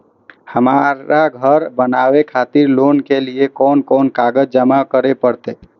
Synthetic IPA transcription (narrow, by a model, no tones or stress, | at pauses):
həmaaɡʱəɾbənaːʋekʰaːt̪ɪɾloːnkeliekɔːnkɔːnkaːɡəd͡ʒd͡ʒəmakəɾepəɽt̪eː